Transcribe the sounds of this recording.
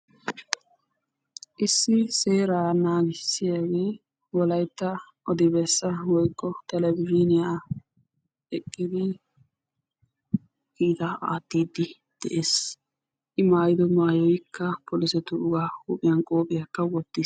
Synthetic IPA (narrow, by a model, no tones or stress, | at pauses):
ʔɪsːɪse̞ːɾaːnaːɡɪsːɪjaːɡe̞ː | wɔlɐjt̪ːɐ | ʔɔd̪ɪbɛsːɐwɔjkʼːɔt̪ɛlɛbɪd͡ʒinɪjaː | ɛkʼːɪd̪ɪ | kiːt̪ɐa̰ːt̪ːiːd̪ːɪ | d̪̥ɛ̰ʔeːs | ʔɪmaːjɪd̪ɔmaːjɔjkʰːɐpʰɔlɪsɛt̪ʊʊɡaːoːpʼɪjɐnkʼo̞ːpʼɪjakːɐwɔt̪ːis